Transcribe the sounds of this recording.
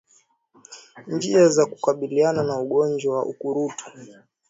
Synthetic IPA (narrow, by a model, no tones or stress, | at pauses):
nd͡ʒiazaku̥kaɓiliananauɠɔnd͡ʒwawaʔukuɾutu̥